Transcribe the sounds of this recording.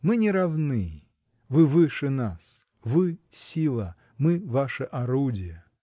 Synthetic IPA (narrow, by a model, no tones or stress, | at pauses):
mɨnʲɪɾɐvnɨ | vɨvɨʂɨnas | vɨsʲilˠɐ | mɨvaʂɨʔɐɾudʲɪjə